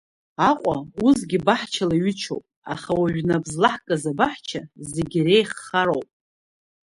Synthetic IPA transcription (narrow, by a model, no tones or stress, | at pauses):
aqʷʼauzɡʲɪbaħt͡ʃʰalaɥɪt͡ʃʰo̰wpʼa̰χawaʒᶣnabzlaħkʼazabaħt͡ʃʰazeɡʲrejχːaɾo̞wpʼ